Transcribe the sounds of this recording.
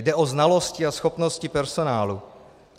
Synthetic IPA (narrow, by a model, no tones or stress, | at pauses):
dɛʔoznalo̞scɪasxo̞pnoscɪpɛɾso̞naːlu